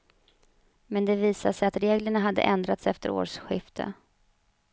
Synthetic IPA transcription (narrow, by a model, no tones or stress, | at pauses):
mɛnd̪ɛviːsaʂɛjat̪ɾeːɡləɳaɦad̪ːə̰ʔɛnd̪ɾat̪sɛft̪əɾo̰ːʂɧɪft̪ʰə̰